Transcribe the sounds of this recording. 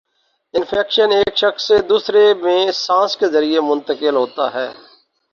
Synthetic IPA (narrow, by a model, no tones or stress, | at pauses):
ɪ̃nfʰɛːkʃəneːkʃəxsːed̪uːsɾemẽsãːskezəɾiemʊ̃nt̪əkɪlɦoːt̪a̰ɦɛ̰ː